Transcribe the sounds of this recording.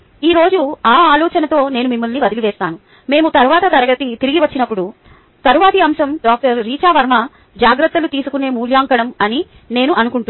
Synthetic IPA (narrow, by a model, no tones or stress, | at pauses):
iːɾo̞ːd͡ʒuaːaːlɔːt͡ʃɐnɐt̪o̞ːne̞ːnumimːɐlniʋɐd̪iliʋɛːst̪aːnu | me̞ːmut̪ɐɾuʋaːt̪ɐt̪ɐɾɐɡɐt̪it̪iɾiɡiʋɐt͡ʃːinɐpːuɽu | t̪ɐɾuʋaːt̪iɐmsɐmɖaːk̚ʈɐɾːiːt͡ʃaːʋɐɾmɐ | d͡ʒaːɡɾɐt̪ːɐlut̪iːsukune̞ːmuːljaːŋkɐɽɐmɐni | ne̞ːnuʔɐnukuɳʈu